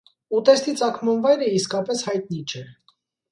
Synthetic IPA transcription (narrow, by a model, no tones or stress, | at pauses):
ut̪ɛst̪it͡sɑkʰmɑnvɑjɾəiskɑpɛshɑjt̪nit͡ʃʰɛ